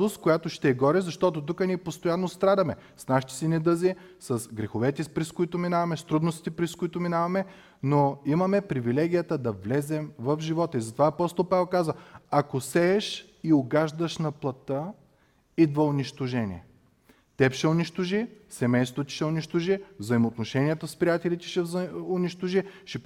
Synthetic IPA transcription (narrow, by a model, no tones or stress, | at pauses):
oskojat̪oʃt̪ɛːɡɔɾɛzɐʃt̪ɔt̪ot̪̬ukənʲiɛpost̪ojanːost̪ɾad̪ɐmɛ | snaʃi̥t̪ɛ̥sɛnɛd̪əzi | sɐsɡɾɛxovɛt̪ɛpɾɛskʊit̪ʊminavɐmɛst̪ɾud̪nost̪i̥t̪ɛpɾɛskʊit̪ʊminavɐmɛ | noimɐmɛpɾivilɛɡ̟ʲijət̪əd̪ɐvlɛzɛmvɐvfʒivɔt̪əizɐt̪ovaɐpɔst̪olˠpavɛlˠkazvəɐkosɛːʃ | iʊɡaʒd̪əʃnɐplˠɐt̪ə | id̪vɐʊniʃt̪oʒɛnʲḭɛ | t̪ɛpʃɛʊniʃt̪oʒisɛmɛjst̪vot̪ʲi̥ʃɛʊniʃt̪oʒivzɐimoːt̪noʃɛniət̪əspɾijat̪ɛlit̪ɛ̥ʃɛʊniʃt̪oʒiʃɛ